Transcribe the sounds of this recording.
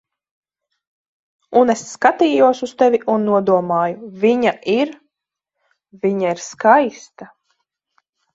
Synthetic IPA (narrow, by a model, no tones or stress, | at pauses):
uneskat̪iːjuɔsust̪ɛvʲiʔunːuɔd̪uɔmaːjuvʲiɲaʔiɾ | vʲiɲaiɾskajst̪a